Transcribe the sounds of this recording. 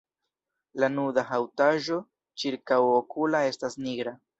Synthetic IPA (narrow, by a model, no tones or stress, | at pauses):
lanudahawtaʒo̞ | t͡ʃiɾkawokulae̞stasniɡɾa